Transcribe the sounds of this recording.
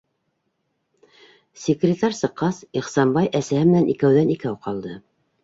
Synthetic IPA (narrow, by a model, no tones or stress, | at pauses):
sʲɪkrʲɪt̪ɑɾʲsɤ̆qːɑsiχsɑmbɑjʔæsæhɘmɘ̆nænikæwðænikæwqɑlˠd̪ɤ